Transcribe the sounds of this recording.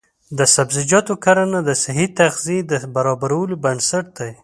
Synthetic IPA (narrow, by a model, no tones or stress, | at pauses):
d̪əsabzɪd͡ʒɑt̪okaɾanad̪əsɪɦit̪aɣzid̪əbaɾɑbaɾawəlobansaʈ̚d̪̥aj